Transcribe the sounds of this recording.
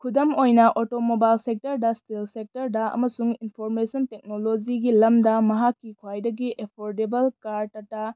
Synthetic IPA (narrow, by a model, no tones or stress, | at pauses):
kʰudɐmojnɐʔotomobajlsek̚tɐɾdɐstelsek̚tɐɾdɐɐ̰mɐsuŋinpʰoɾmesɐntek̚nolod͡ʒiɡilɐmdɐmɐɦakːikʰwajdɐɡiepʰoɾdebɐlkaɾtɐtːɐ